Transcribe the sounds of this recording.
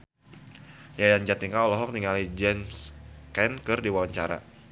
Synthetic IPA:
jajaɲd͡ʒat̪iŋkaɔlɔɦɔk̚niŋalid͡ʒɛmskɛnkɨrdiwawaɲt͡ʃaɾa̰

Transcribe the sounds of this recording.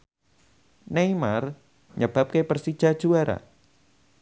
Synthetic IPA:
nejmar | ɲəb̥ap̚kepərsid̥ʒ̥ad̥ʒ̥uaɾa̰

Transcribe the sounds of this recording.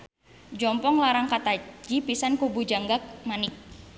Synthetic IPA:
d͡ʒɔmpɔŋlaɾaŋkat̪ad͡ʒipisankubud͡ʒaŋɡak̚manɪk̚

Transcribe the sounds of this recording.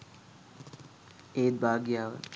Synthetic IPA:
eːt̪̚bʱaːɡjaːʋə̰

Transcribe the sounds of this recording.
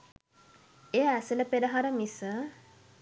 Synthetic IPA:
ejəæsələpeɾəɦaɾəmisə

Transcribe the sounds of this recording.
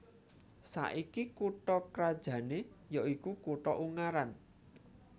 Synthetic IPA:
sa̰ʔikikuʈɔkɾad̥ʒ̥ä̤nejɔikukuʈɔʔuŋaɾan

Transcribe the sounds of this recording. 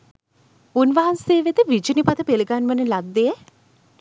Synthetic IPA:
unʋaɦanseːʋed̪əʋid͡ʒənipat̪əpeləɡanʋənəlad̪ːejə

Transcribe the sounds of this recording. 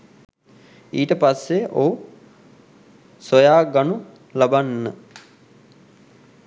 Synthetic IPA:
iːʈəpasːeo | sojaːɡanu | labanːə

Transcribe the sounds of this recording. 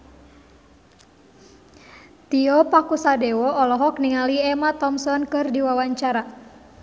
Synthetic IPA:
t̪iɔpakusadɛwɔɔlɔɦɔk̚niŋaliɛmat̪ɔmsɔnkɨrdiwawaɲt͡ʃaɾa

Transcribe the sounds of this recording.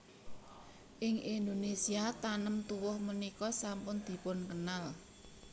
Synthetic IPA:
ʔɪŋind̪onesiat̪anəmt̪uwʊhmənikɔsampʊnd̪̥i̤pʊnkənal

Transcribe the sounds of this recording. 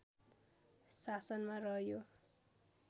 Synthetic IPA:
sasʌnmarʌɦjo

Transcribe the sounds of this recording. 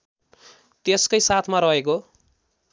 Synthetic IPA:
t̪eskʌjsat̪ʰmaɾʌɦeko

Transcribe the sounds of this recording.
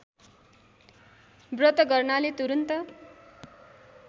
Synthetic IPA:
brʌt̪ʌɡʌrnalet̪uɾunt̪ʌ

